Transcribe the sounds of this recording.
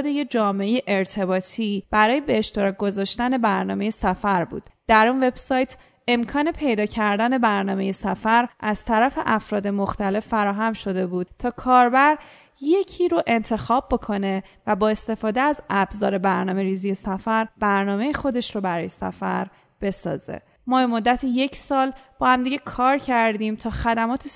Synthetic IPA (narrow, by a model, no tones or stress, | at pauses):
d̪ejed͡ʒɒːmeejeʔeɾt̪ʰe̞bɒːt̪ʰib̥æɾɒːje̞beːʃt̪e̞ɾɒːc̚ɡo̞zɒːʃt̪æne̞bæɾnɒːme̞jesæfæɾbṵːd̪̥d̪̥æɾunve̞b̥sɒːjt̪ʰ | e̞mkʰɒːne̞pʰe̞jd̪ɒːcʰæɾd̪æne̞bæɾnɒːme̞je̞sæfæɾʔæz̥t̪ʰæɾæfe̞ʔæfɾɒːd̪e̞mo̞xt̪ʰæle̞fːæɾɒːɦæmʃo̞d̪e̞buːd̪̥t̪ʰɒːkʰɒːɾbæɾ | je̞cʰiːɾoʔe̞nt̪ʰe̞xɒːb̚ːo̞kʰo̞ne̞ | væbɒːe̞st̪e̞fɒːd̪eæzæbzɒ̰ːɾe̞bæɾnɒːme̞ɾiːzije̞sæfæɾb̥æɾnɒːme̞jixo̞d̪e̞ʃɾobæɾɒːjesæ̰fæ̰ɾ | b̥e̞sɒ̰ːzḛ | mɒːbe̞mo̞d̪ːæt̪ʰije̞cʰsɒːlb̥ɒːhæmd̪iɟe̞kʰɒːɾcʰæɾd̪iːmt̪ʰɒːxæd̪æmɒːt̪ʰe